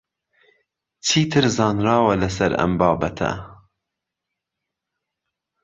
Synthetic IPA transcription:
t͡sʰiːt̪ʰɨɾzɑːnɾɑːwɐlɐsɐɾɐ̰mbɑːbɐt̪ʰɐ̰

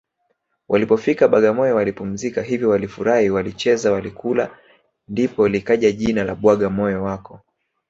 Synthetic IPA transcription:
wʔalipɔfikaɓaɠamɔjɔwalipum̩zikaɦivjɔwalifuɾahiwalit͡ʃɛzawalikula | ndipɔlikaʄaʄinalaɓwaɠamɔjɔwakɔ

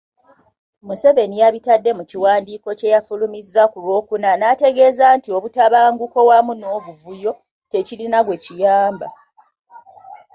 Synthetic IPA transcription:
muse̞ve̞nijaβitadːe̞muciwaːndiːko̞ce̞jafulumizːakulwo̞ːkunanate̞ɡe̞ːzaːntio̞βutaβaːŋɡuko̞wamuno̞ːβuvujo̞ | te̞cilinaɡwe̞cijaːmba

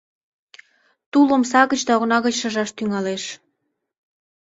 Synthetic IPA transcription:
t̪ulŏmsɑɣət͡ɕd̪ɑoɣnɑɣə̆t͡ɕʃə̆ʒɑʃt̪yŋɑleʃ

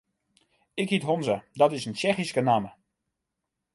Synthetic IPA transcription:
ɪkɦitɦonzədɑtɪsənt͡ʃɛχiskənaːmə

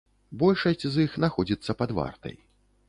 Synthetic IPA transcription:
bɔlʲʂɐsʲt͡sʲzixnaxɔd͡zʲit̪sːɐpad̪va̰rt̪ɐ̰j

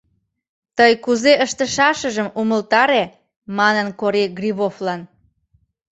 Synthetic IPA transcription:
t̪əjkuzeʔəʃt̪əʃɑʃəʒəmuməlt̪ɑɾe | mɑnənkoɾeɡriβoflɑn

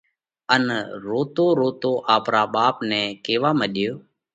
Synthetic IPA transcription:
ənɾoːt̪oːɾoːt̪oːʔaːpɾaːɓaːpnɛ̃ːkeːʋaːməɗjoː

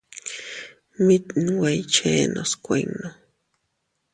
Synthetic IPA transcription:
mit̪nwajt͡ʃenʔo̰skʷejŋno

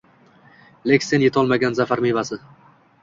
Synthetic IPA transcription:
lekʲsenje̞t̪ʰɒlˠmaɡʲanzafaɾmevasɪ

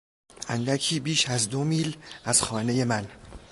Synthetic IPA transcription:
ʔænd̪ækʰiːbiːʃæzd̪omiːlʔæz̥xɒːne̞je̞mæn

